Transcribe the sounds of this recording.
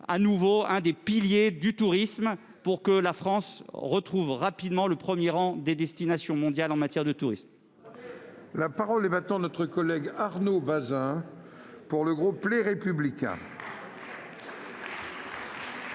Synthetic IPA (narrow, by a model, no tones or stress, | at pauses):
a̰nuvoɛ̃d̪epiljed̪yt̪uʁism | puʁkəlafχɑ̃sʁət̪χuvʁapid̪mɑ̃ləpχəmjeʁɑ̃d̪ed̪ɛst̪inasjɔ̃mɔ̃d̪jalɑ̃mat̪jɛʁd̪ət̪uʁism | lapaʁɔlɛvat̪ɑ̃d̪ənɔt̪χəkɔlɛɡaʁnobazɛ̃ | puʁləɡʁupːleʁepyblikʲɛ̰̃